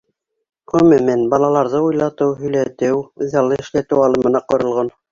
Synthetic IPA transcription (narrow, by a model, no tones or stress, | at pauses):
ʁɵmɘmænbɑlˠɑlˠɑɾðɤujlˠɑt̪ɤwɦɵ̆jlæt̪ɘwɘðɑlˠːɤɘ̆ʃlæt̪ɘwɑlˠɤ̆mɤ̆nɑqŏɾŏlˠʁon